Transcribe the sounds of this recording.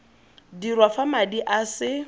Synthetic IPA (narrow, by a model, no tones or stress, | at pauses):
dirwafamadiʔasɪ